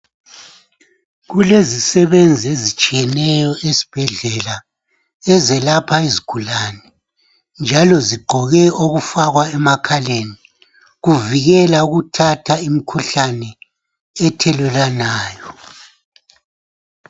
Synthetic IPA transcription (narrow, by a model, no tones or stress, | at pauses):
ɣulezisɛβend͡zʱiezit͡ʃʼijɛnɛjɔʔesi̥b̥ʱɛɮɛla | ɛzɛlapʰaiziɡ̥ʱulaːnɛ | nd͡ʒʱalɔziɡ͡ǃʱɔɣɛoɣufaɣwaɛmakʰaleni | ɣuviɣɛlauɣutʰatʰaimikʰuɬanɛ | ɛtʰɛlɛlanaːjɔ